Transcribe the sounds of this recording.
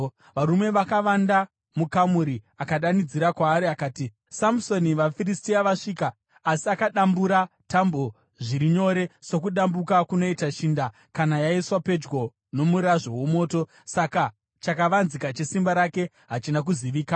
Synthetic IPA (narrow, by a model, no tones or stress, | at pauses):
ʋaɾume̞ʋakaʋanda | mukamuɾi | akaɗanid͡ziɾakwaːɾiakaːti | samso̞niʋafiristiaʋaʂiːkaː | siakaɗambuɾa | tambo̞ | ʐiɾiɲo̞ɾe̞so̞kuɗambukakuno̞itaʃiːnda | kanajaiswape̞d͡ʒɡo̞ | no̞muɾaʐo̞womo̞ːto̞ | saka | t͡ʃakaʋanzikat͡ʃe̞simbaɾake̞ | ɦat͡ʃinak̬uziʋiːka